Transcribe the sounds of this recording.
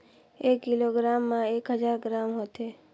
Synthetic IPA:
eːkːɪloːɡɾaːmːãeːkɦəd͡ʒaːɾɡɾaːmɦoːt̪eː

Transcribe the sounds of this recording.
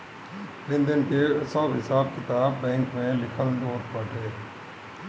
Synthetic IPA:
pɪ̃nd̪ənkesaːbɦɪsaːb̚kɪt̪aːbːɛ̃ːŋkmẽlɪkʰəld̪oːt̪paːʈʰeː

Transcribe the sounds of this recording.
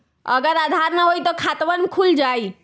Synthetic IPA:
ə̰ɡəɾad̪ʱaɾnəɦojt̪ɔkʰat̪ʋənmkʰuld͡ʒai

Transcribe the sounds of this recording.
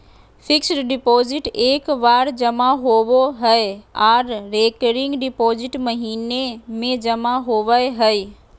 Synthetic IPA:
fʰɪksɖɖɪpoːzɪʈeːkʋaːɾd͡ʑɐmaɦoʋoɦəeaːɾːeːkəɾɪ̃ŋɡɖɪpoːzɪʈmɐɦiːnemẽd͡ʑɐmaɦoʋəjɦəe

